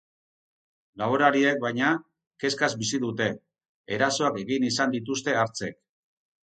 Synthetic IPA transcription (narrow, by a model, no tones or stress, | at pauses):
laβoɾaɾie̞k̚bajɲa | ke̞skazbisiðut̪e̞ː | ɾaso̞ake̞ɣinisand̪it̪̬ust̪e̞aɾt͡se̞k̚